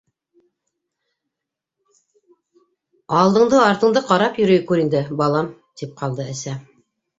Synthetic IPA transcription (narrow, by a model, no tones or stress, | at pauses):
ɑlˠd̪ɤ̆ɴd̪ɤɑɾt̪ɤ̆ɴd̪ɤqɑɾɑpjɵ̆ɾɵjkʉɾind̪ɘbɑlˠɑmt̪ip̚qɑlˠd̪ɤæsæ